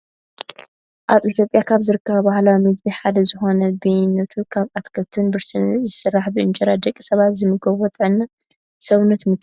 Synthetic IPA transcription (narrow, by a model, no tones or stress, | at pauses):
ʔaβʔit̪ʰjo̞pʼjakʰaβzɨɾɨkʰːɐβɐbahlawimɨdbiħad̪ɐzɨxo̞nɐbejnːɐt̪ʰukʰaβat̪kʰɐlt̪ʰɨnbɨɾsɨnzɨsɨrːaħbɨɨnt͡ʃʼɐɾad̪ɐkʼːi̥sɐβat̪zɨmɨɡɐβwot̪ʼɨʕɨnːa | sɐβnɐt̪mɨ